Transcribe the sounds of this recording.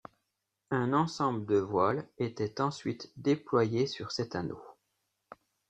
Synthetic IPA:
ɛ̃nɑ̃sɑ̃bləd̪əvwalet̪ɛt̪ɑ̃sɥit̪d̪eplwajesyʁsɛt̪ano̰

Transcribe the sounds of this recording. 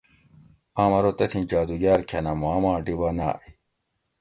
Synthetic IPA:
aːmɐɾot̪ɐt̪ʰĩnd͡ʑaːd̪uɡaːɾkʰɐnamuaːmãːɖibana̰ːʔe

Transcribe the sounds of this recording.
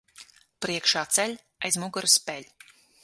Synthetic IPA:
pɾiɛkʃaːt̪sɛlʲ | ajzmuɡaɾspʲɛlʲ

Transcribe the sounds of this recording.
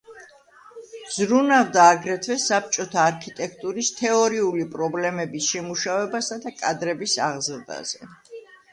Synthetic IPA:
z̥ɾunavd̪aːɡɾɛt̪ʰvɛsap̚t͡ʃʼɔt̪ʰaːɾkʰit̪ʼɛkʰt̪ʼuɾist̪ʰɛɔɾiulipʼɾɔblɛmɛbisʃɛmuʃavɛbasad̪akʼad̪ɾɛbisaʁzɾd̪a̰z̥ɛ

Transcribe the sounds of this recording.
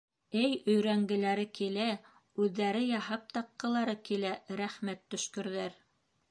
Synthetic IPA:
ɘjɵ̆jɾæŋɡɘ̆læɾɘkilæ | ʉðːæɾɘjɑhɑp̚t̪ɑqːɤ̆lˠɑɾɤkilæɾæχmæt̪ːɵ̆ʃkɵ̆ɾðæɾ

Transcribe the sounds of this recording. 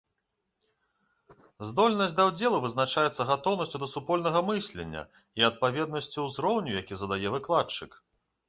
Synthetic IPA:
zd̪ɔlʲnɐsʲd̪ɐwd͡zʲɛlˠuvɨznat͡ʂajɛt̪sɐɣat̪ɔwnɐsʲt͡sʲud̪ɐsupɔlʲnɐɣɐmɨsʲlʲɛ̰nʲːɐ̰ | iɐt̪̚pavʲɛd̪nɐsʲt͡sʲuzɾɔwnʲujakʲizɐd̪ajɛvɨklˠat͡ʂɨk

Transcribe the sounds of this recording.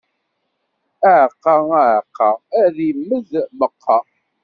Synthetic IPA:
əʕqːɑæʕqːɑæðimːəðməqʰːɑ

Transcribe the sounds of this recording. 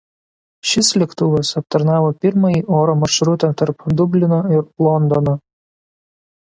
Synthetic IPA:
ʃʲɪslʲɛkt̪ʊʋʲɐsɐp̚t̪ɐɾnɑːʋoːpʲɪɾmɐjiːʔoːɾoːmɐɾʃɾʊt̪ɐt̪ɐɾpd̪ʊbʲlʲɪnoɪɾlˠɔnd̪ɔno

